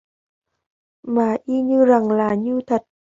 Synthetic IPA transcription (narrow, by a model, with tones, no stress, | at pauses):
maː˨˩ʔi˧ɲɨ˧za˨˩ŋlaː˨˩ɲɨ˧t̪ʰə˨˩t̚